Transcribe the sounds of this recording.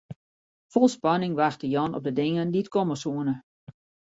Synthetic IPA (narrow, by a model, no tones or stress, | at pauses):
fɔlˠspɑnɪŋʋaxtəjɔnɔ̰p̚dədɪŋənditkoməsuənə